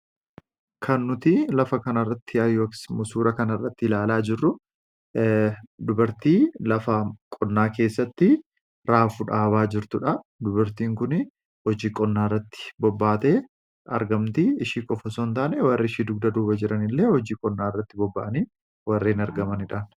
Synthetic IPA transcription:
kʰɐnːʊt̪ɪlɐfɐkɐnɐrːɐt̪ːɪɐjːoːksmʊsuːɾɐkɐnɐrːɐt̪ːɪɪlaːlaːd͡ʒɪrːʊ | d̪ʊbɐɾt̪iːlɐfɐkʼɔnːaːke̞ːsːɐt̪ːɪ | ɾaːfʊᶑaːβaːd͡ʒɪɾt̪ʊᶑɐd̪ʊbɐɾt̪iːŋkʊnɪ | hɔd͡ʒiːkʼɔnːaːɪrːɐt̪ːɪ̥bɔbːaːt̪eː | ɐ̰ɾɡɐmt̪iɪʃiːkʼɔfɐsoːnt̪aːnɛwɐrːɪːʃiːd̪ʊɡ̚d̪ɐd̪uːbɐd͡ʒɪɾɐnɪlːe̞ːhɔd͡ʒiːkʼɔnːaːɪrːɐt̪ːɪbɔbːɐ̰ʔɐniː | wɐrːeːnɐɾɡɐmɐnɪᶑaːn

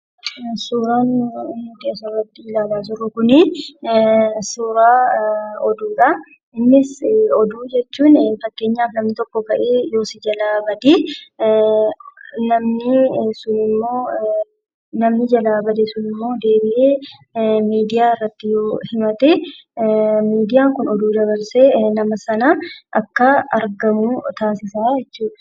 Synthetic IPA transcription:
suːɾaːnd̪ɪɐsɔrːɐt̪ːɪɪlaːlaːs̬ʊrːʊkʊnɪ | suːɾaːɔd̪uːᶑɐ | ɪnːɪsɔd̪uːd͡ʒɛt͡ʃːuːnfɐkːe̞ːɲːaːfnɐmnɪt̪ɔkːɔkɐʔeːjo̞ːsɪd͡ʒɐlaːbɐd̪e | nɐmnɪsʊnɪmːo̞ː | nɐmnɪd͡ʒɐlaːbɐd̪ɛsʊnɪmːo̞ːd̪e̞ːbɪʔeː | miːd̪ɪjaːɪrːɐt̪ːɪjoːhɪmɐt̪ɛ | miːd̪ɪjaːŋkʊnɔd̪uːd̪ɐβɐɾseːnɐmɐsɐnɐʔɐkːɐɐ̰ɾɡɐmuːt̪aːsɪsaːd͡ʒɛt͡ʃːuːɐ

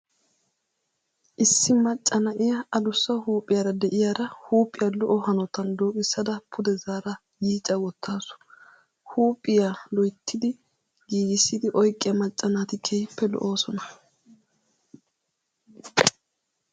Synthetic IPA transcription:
ʔɪsːɪmɐt͡ʃʼːɐnɐʔɪjɐɐlʊsːɐhuːpʼːɪjɐɾɐd̪ɛʔɪjaːɾɐhuːpʼːɪjɐlɔʔɔhɐnɔt̪ɐnd̪oːkʼɪsːɐd̪ɐpʰʊd̪ɛzaːɾɐ | jiːt͡ʃʼːɐɡɔt̪ʰːaːsʊ̥ | huːpʼːɪjalɔjt̪ʰːɪd̪ɪ | ɡiːɡɪsːɪd̪ɪʔɔjkʼːɪjɐmɐt͡ʃʼːɐnaːt̪ɪkʰɛjpːɛlɔ̰ʔo̞ːsɔnɐ

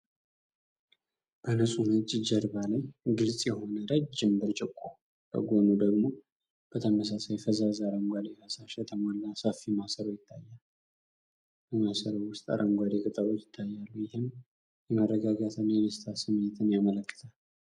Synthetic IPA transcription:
b̥ənəsʼunət͡ʃʼːɪd͡ʒəɾbalajɡɨlsʼjɛho̞nəɾəd͡ʒd͡ʒɨmbɨɾt͡ʃʼɪkʼːo | bʰə̰ɡonud̪əɡmo̞ | b̥ət̪ʰəməs̬asajfəzazaɾəmɡʷad̪efasaʃat̪ʰəmalːasafimasəɾəwjɪt̪ʰːajːal | bəmasəɾəwʊst̪ʼa̰ɾʔəmɡʷad̪ekʼɨt̪ʼəɾot͡ʃ̪jɪt̪ʰːajːalːujɪhɨm | jɛmərːəɡaɡat̪ʰɨnjɛdəst̪ʰasɨmːet̪ʰɨnjamələkːɨ̥t̪ʰal

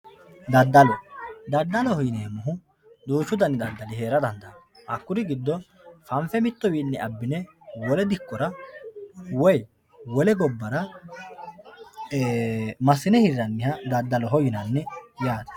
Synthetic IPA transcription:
d̪ɐd̪ːɐlɔd̪ɐd̪ːɐlɔhɔjɪneːmʊɦʊ | d̪uːt͡ʃːʊd̪ɐnːɪd̪ɐd̪ːɐlɪɦe̞ːɾɐd̪ɐnd̪ɐ | ʔɐkːʊɾɪɡɪd̪ːɔ | fɐɱfɛmɪt̪ːɔwiːnːɛɐbːɪnɛwɔlɛd̪ɪkːɔɾɐ | wɔj | wɔlɛɡɔbːɐɾɐ | mɐsɪnɛhɪɾːɐnːɪhɐd̪ɐd̪ːɐlɔɦɔjɪnɐnːɛjaːd̪ɐ̥

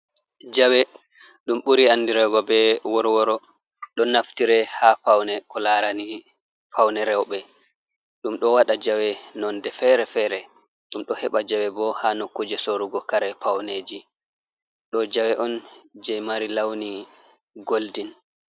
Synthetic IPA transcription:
d͡ʒawɛ | ɗumɓuɾiandiɾɛɡɔbɛwɔɾwɔɾɔ | ɗɔnaftiɾɛhapawnɛkɔlaɾani | pʰawnɛɾɛwɓɛ | ɗumɗɔwaɗad͡ʒawɛnɔndɛfɛɾɛfɛɾɛ | ɗumɗɔhɛɓad͡ʒawɛbɔhanokːud͡ʒɛsoɾuɡɔkaɾɛpʰawneːd͡ʒi | ɗɔd͡ʒawɛʔɔnd͡ʒɛmaɾilawni | ɡoldin

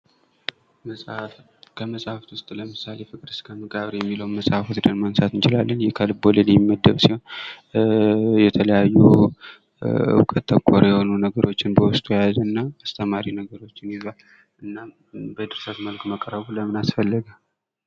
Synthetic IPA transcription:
kʰəməsʼhaft̪wʊst̪ʼləmɨsale̞fɨkʼd̪ɨskʰəmɨkʼaβɾjɛmːiləwnməsʼhafot̪d̪ənmənsat̪ɨnt͡ʃɪlalːənjɛkʰəlboləlɪmːəd̪ːəβsiho̞n | jɛt̪ʰələjajːu | ɨ̰wkʼət̪ʰːəkʷʰːoɾjɛho̞nunəɡəɾo̞t͡ʃːɪnbəwʊst̪ʼujajaznːaast̪ʰəmaɾinəɡəɾo̞t͡ʃːɪnjɪzβal | ʔɨnːa | bəd̪ɨɾsət̪məlkməkʼəɾəβuləmɨnasfəlːəɡal

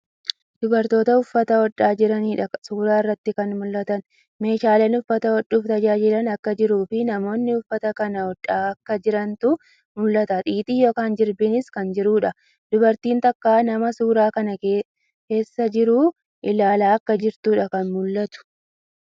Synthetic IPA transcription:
d̪̥ʊbɐɾt̪o̞ːt̪ɐʊfːɐt̪ɐɔᶑːaːd͡ʒɪɾɐniːᶑɐsuːɾaːɪrːɐt̪ːɪkɐnmʊlːɐt̪ɐn | me̞ːʃaːlɛnʊfːɐt̪ɐwɔᶑːuːft̪ɐd͡ʒaːd͡ʒɪlɐnɐkːɐd͡ʒɪɾuːfɪnɐmo̞ːnːɪʊfːɐt̪ɐkɐnɐɔᶑːaːɐkːɐd͡ʒɪɾɐnt̪ʊ | mʊlːɐt̪ɐt̪ʼiːt̪ʼiːjo̞ːkaːnd͡ʒɪɾbɪnɪskɐnd͡ʒɪɾuːᶑɐ | d̪̥ʊbɐɾt̪iːnt̪ɐkːaːnɐmɐsuːɾaːkɐnɐ | ke̞ːsːɐd͡ʒɪɾuː | ʔɪlaːlaːɐkːɐd͡ʒɪɾt̪uːᶑɐkɐnmʊlːɐt̪ʊ̥

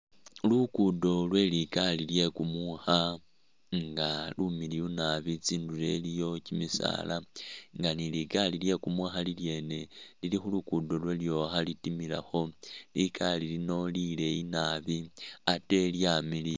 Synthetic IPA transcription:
lukudo̞lwe̞likalilje̞kumuxa | ŋɡalumilijunaβit͡siːndule̞lijo̞cimisa̰ːlaŋɡanilikalilje̞kumwaxalilje̞ːne̞lilixulukudo̞lwe̞ljo̞xalitimila̰xo̞likalilino̞lile̞inaːβiate̞ljamili

